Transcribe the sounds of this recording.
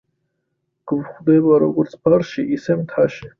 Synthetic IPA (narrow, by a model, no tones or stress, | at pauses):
ɡ̥vχd̪ɛbaɾɔɡɔɾt̪sʰbʰaɾʃiʔisɛmt̪ʰaʃɛ